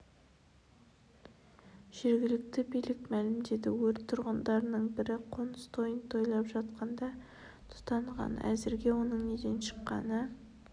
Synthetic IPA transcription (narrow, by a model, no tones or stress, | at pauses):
ʒ̥e̞ɾɡʲɪlɪk̚t̪ɪbijlɪkmælɪmd̪e̞d̪ɪwɵɾt̪ʰːʊɾʁənd̪ɑɾnəɴbɪɾɪqʰo̞nəst̪ʰo̞jənt̪ʰo̞jlˠɑpʒɑt̪̚qɑnd̪ɑ | t̪ʰʊ̥t̪ɑɴʁɑ̰næ̰zɪɾɡʲe̞wo̞nəɴned̪e̞nʃə̥qːɑ̰nə